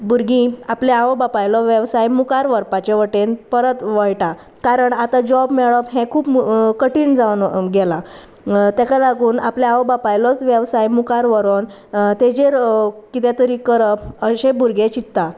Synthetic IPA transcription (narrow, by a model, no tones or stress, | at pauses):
buɾɡĩapleaʋəbapajlɔʋɛʋsajmukaɾʋəɾpat͡ɕeʋəʈenpəɾət̪ʋəjʈa | kaɾəɳat̪ad͡ʑɔbmɛɭɔpɦɛ̃kʰuːpkəʈiːnd͡zaʋnɡɛla | t̪jɛkʰalaɡuːnapleaʋəbapajlɔt͡sʋjɛʋsajmukaɾʋəɾon | t̪ed͡ʑeɾkit̪ɛt̪əɾiːkəɾəəɕẽbuɾɡet͡ɕit̪ːa